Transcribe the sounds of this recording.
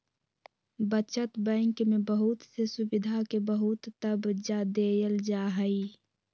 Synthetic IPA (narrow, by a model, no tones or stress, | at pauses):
bət͡ʃət̪bɛ̃ŋkmẽbəɦʊt̪sesʊbɪd̪ʱakebəɦʊt̪ːəbd͡ʒad̪ejəld͡ʒaɦəi